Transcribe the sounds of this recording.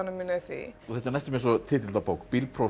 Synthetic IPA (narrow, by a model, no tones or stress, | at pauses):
nəminœθḭθɛht̪aɾnajst̪ɪmɛs̬ɔt̪ʰɪlt̪̬ʰɪlapowkpilpʰɾo